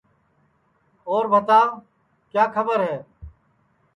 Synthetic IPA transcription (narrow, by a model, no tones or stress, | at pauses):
oːɾbʱət̪aː | kjaːkʰəbəɾɦeː